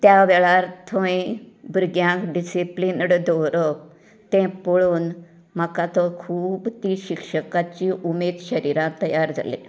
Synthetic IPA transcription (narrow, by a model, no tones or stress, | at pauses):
t̪jaʋɛɭaɾt̪ʰõibɾɡjãkɖisiplinɽd̪ɔɾɔk̚ | t̪ɛ̃poɭuːn | məkat̪ɔkʰuːbt̪ĩɕikʂəkat͡ɕiʔumeːd̪ɕəɾiɾãt̪əjaɾd͡za̰lḛ̃